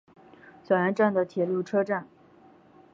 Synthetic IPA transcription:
swɛ˨˩ɻa˧˥nʈ͡ʂa˥˩nd̪ə˩t̪ʰjɛ˨˩lu˥˩ʈ͡ʂʰɤ˥ʈ͡ʂa˥˩n

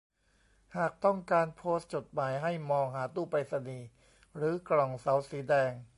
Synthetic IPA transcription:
haː˨˩k̚t̪ɔ˥˩ŋkaː˧npʰoː˦˥st̪̚t͡ɕo˨˩t̪̚maː˨˩˦jɦa˥˩jmɔː˧ŋhaː˩˦t̪uː˥˩pa˧jsa˧niː˨˧ | ɾɯː˩˦klɔ˨˩ŋsa˩˦˥wsiː˩˦dɛː˧ŋ

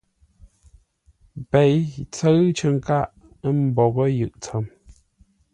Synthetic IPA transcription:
pe˨jt͡sə˦ɰt͡ʃə˨ŋ˦ka˦˨ʔ | ə˦m̩˦bɔ˨ɣə˦jɯ˨ʔt͡sə˨˦m

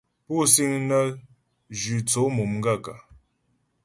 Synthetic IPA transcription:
pu˦si˦ŋnə˦ | d͡ʒi˨t͡so˨˦mu˨mŋ̩˦ɡa˦˨ka˨

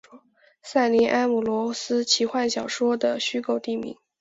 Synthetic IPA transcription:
sa˥˩ɪni˧˥ʔa˥nmu˨˩lwɔ˧˥sɹ̩˥t͡ɕʰi˧˥xwa˥˩nɕjɑ˨˩ʊʂwɔ˥d̪ə˨ɕy˥ko˥˧˩ʊt̪i˥˩mḭ˧˥ŋ

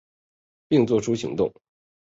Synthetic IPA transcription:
pi˥˧ŋt͡swɔ˥˩ʈ͡ʂʰu˥ɕḭ˧˥ŋt̪ʊ̰˥˩ŋ

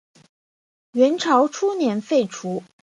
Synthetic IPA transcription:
ɥɛ˧˥nʈ͡ʂʰɑ˧˥ʊʈ͡ʂʰu˥njɛ˧˥nfe˥˩ɪʈ͡ʂʰu˧˥

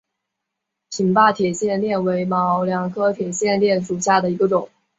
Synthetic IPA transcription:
pʰi˨˩ŋpa˥˩t̪ʰjɛ˨˩ɕjɛ˥˧nljɛ˥˩nwe˧˥ɪmɑ˧˥ʊljɑ˨˩˥ŋkʰɤ˥t̪ʰjɛ˨˩ɕjɛ˥˧nljɛ˥˩nʂu˨˩ɕja˥˩d̪ə˩i˧˥ɡə˧ʈ͡ʂʊ˨˩˦ŋ

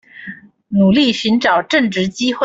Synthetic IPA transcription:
nu˨˩li˥˩ɕy˧˥nʈ͡ʂɑ˨˩ʊʈ͡ʂɤ˥˧ŋʈ͡ʂɻ̩˧˥t͡ɕi˥xwe˥

